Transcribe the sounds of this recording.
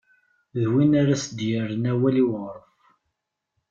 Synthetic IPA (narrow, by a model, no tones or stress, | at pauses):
ðwinaɾæsd̪jəɾənæwæliwəʁɾˤəf